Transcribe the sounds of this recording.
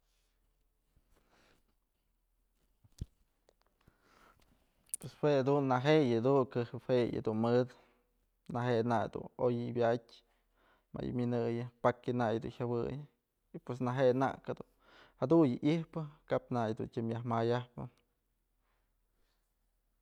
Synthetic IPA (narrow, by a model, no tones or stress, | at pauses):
pweswead̪unːaɦejad̪unkɨhɨpheja̰d̪unmɨd̪ | naɦenajd̪ṵnojɨbʲatʲ | ma̰jɨ̰mʲjɨnɨjɨpakjɨnajd̪ṵnhʲjawɨ̰jɨ | ipwes̬naɦena̰ʔkad̪un | had̪unjɨʔihpɨkapnajd̪ṵntʲimjahmajahpɨ